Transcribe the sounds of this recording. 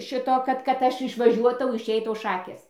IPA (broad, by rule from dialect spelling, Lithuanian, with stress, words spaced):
ˈʃʲɪtoː ˈkɐt kɐt ˈɐʃ ɪʃʋɐˈʒʲuɔtɐʊ ɪʃʲˈɛɪtɐʊ ˈʃɑːkʲeːs